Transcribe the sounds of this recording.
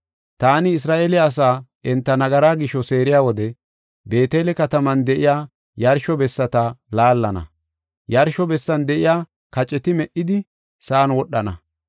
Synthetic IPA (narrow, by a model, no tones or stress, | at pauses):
t̪aːnɪːs̬ɾaːʔeːlɪɐs̬aːʔɛnt̪ːɐnɐɡɐɾaːɡɪʃːɔse̞ːɾɪjaːwɔd̪ɛ | be̞ːt̪eːlɛkɐt̪ɐmɐnd̪ɛʔɪjaː | jɐɾʃɔbɛsːɐt̪ɐlaːlːɐnɐ̰ | jɐɾʃɔbɛsːɐnd̪ɛʔɪjaː | kɐt͡ʃʼːɛt̪ɪmɛʔːɪd̪ɪ | sɐːnwɔɗːɐnɐ̰